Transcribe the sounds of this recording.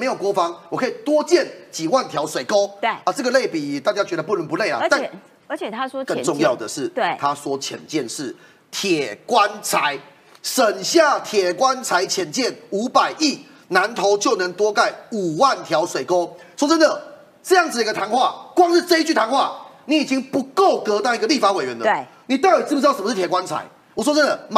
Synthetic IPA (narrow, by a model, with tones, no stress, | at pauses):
me˧˥ɪjo˨˩ʊkwɔ˥fɑ˦ŋwɔ˨˩kʰɤ˦˥˨i˨˩t̪wɔ˥t͡ɕjɛ˥˨nt͡ɕi˨˩wa˥˨nt̪ʰja˧˥ʊswe˨˩ɪko˦ʊ˥˩a˨t͡sɤ˥˩ɡə˧le˥˩ɪpi˨˩t̪a˥˧˨t͡ɕja˥t͡ɕɥɛ˧˦d̪ə˧pu˥˩nə˧˦np̬u˧˦le˥˩ɪla̰˨˧t̪a˥˨˧ | t͡ɕ̪ʰa˦ɔ˥kə˥˨˧ʈ͡ʂʊ˥˧ŋjɑ˥˨ʊd̪ə˩ʂɻ̩˥˩˧t̪ʰa˦swɔ˦˥t͡ɕʰjɛ̰˨˩nt͡ɕjɛ˥˨nʂɻ̩˥˩ | t̪ʰjɛ˨˩kwa˦nt͡sʰa˧˦ɪ | ʂə˨˩nɕja˥˨t̪ʰjɛ˨˩kwa˦nt͡sʰa˧˦ɪt͡ɕʰjɛ˨˩nt͡ɕjɛ˥˩nu˧˥pa˨˩ɪʔi˥˩ | na˧˦nt̪ʰo˧˦ʊt͡ɕjo˥˩ʊnə˧˦ŋt̪wɔ˥ka˥˩ɪu˨˩wa˥˨nt̪ʰjɑ˧˦˥ʊswe˨˩ɪko˥˦ʊswɔ˥t͡sə˦nd̪ə˨ | ʈ͡ʂɤ˥˧ja˥˩ŋd͡zɨ˨d̪ə˧ɡə˧t̪ʰa˧˥nxwa˥˩kwɑ˥˧ŋʂ̩˥˧t͡sɤ˥˧i˥t͡ɕy˥˩t̪ʰa˧˥nxwa˥˩ni˨˦i˨˩t͡ɕi˦˥ŋpu˧˦ko˥˨˩ʊkɤ˧˥t̪ɑ˥˩ʊi˧˥ɡə˧li˥˩fa˧˥we˨˩ɪɥɛ˨˦nd̪ə˧˩ | ni˨˩t̪a˥˩i˨˩t͡s̩˥p̬̩̪˧˥˩ʂə˨m˧˥ʂ̩˥˩t̪ʰjɛ˨˩kwa˦nt͡sʰa̰˧˦ɪ | wɔ˨˩swɔ˥t͡sə˥nd̪ə˨m